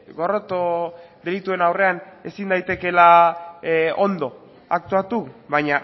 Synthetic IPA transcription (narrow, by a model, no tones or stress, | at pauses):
ɡo̞ro̞t̪o̞ðe̞lit̪ue̞nawre̞ane̞sind̪ajt̪e̞ke̞la | o̞nd̪o̞ | ak̚t̪uat̪uβajɲa